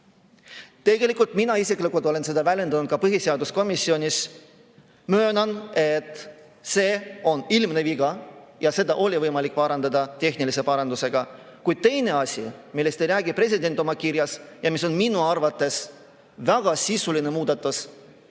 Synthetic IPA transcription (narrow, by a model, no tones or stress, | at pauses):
t̪e̞ɡ̥e̞likːˑult̪ˑminɑisikːˑlikult̪o̞le̞nse̞d̪ɑvælʲje̞nd̪ɑnud̪̚kɑpɤɦise̞ɑd̪usko̞misːio̞nʲis | møːnɑne̞t̪ːˑ | se̞ːo̞nilmneviɡ̥ɑjɑse̞d̪ɑʔo̞lʲivɤjmɑlik̚ːˑpɑɾɑnd̪ɑd̪ɑt̪e̞ɦnilise̞pɑɾɑnd̪use̞ɡ̥ɑ | kujd̪̥̚t̪e̞jne̞ɑsʲḭmilːe̞st̪ejɾæːɡipre̞s̬ʲid̪e̞nʲt̪ːˑo̞mɑkiɾjɑsjɑmiso̞nminuɑrvɑt̪ːˑe̞s | væɡ̥ɑsisuline̞muːd̪̥ɑt̪ːˑus